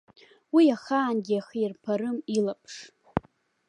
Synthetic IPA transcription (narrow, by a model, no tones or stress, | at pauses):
wiaχaːnɡʲiaχiirpʰaɾɨmilapʰʂ